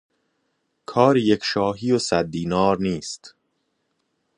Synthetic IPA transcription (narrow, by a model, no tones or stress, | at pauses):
kʰɒːɾijecʰʃɒːɦiːjosæd̪̚ːiːnɒːɾniːst̪